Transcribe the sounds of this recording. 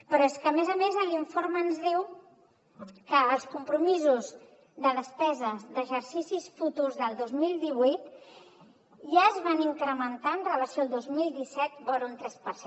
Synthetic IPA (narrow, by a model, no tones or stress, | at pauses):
pɾɔeskəːmezəmezəliɱfoɾmənzðiw | kəːlˠskumpɾumizuz | ðəðəspɛzəzðəʒəɾsisisfut̪uzðəlˠd̪ozmilˠd̪iβujt̪ | ʒaəzβaniŋkɾəmənt̪aənrələsioalˠd̪ozmilˠd̪isɛt̪boɾunt̪ɾɛspəɾse